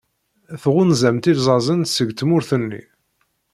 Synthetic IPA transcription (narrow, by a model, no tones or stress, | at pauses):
θʁunzæmt̪ilzˤɑzˤənsəɡt̪mʊɾθənːḭ